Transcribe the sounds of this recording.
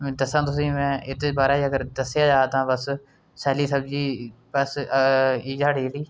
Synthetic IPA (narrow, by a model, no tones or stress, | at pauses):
d̪əsãːt̪ʊs̬ĩːmɛ̃ːɪt̪ːbaːɾaːiːəɡəɾd̪əsjaːd͡ʒaːt̪ãːbəs | sɛːliːsəbd͡ʒiːbəs | iːd͡ʒaːɽiːɽiː